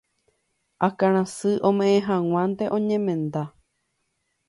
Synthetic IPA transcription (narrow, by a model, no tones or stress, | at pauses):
akaɾ̃ãsɨʔõ̞mẽʔẽɦãŋw̃ʷãnt̪e̞ʔõ̞ɲẽmẽ̞nd̪a